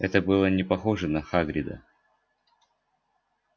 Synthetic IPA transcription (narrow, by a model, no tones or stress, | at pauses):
ɛt̪əbɨlˠənʲɪpɐxoʐɨnɐxaɡɾʲɪd̪ə̰